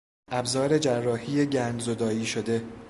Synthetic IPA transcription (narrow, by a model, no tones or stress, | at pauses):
æbzɒːɾe̞d͡ʒærːɒːhiːjeɟæːnd̪zo̞d̪ɒːiːʃo̞d̪e̞